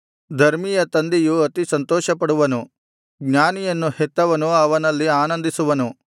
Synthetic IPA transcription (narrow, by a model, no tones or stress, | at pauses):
d̪ʱɐɾmijɐt̪ɐnd̪ijuɐt̪isɐnt̪ɔːʃɐpɐɽuʋɐnu | ɡɲaːnijɐnːuhet̪ːɐʋɐnuɐʋɐnɐlːiaːnɐnd̪isuʋɐnu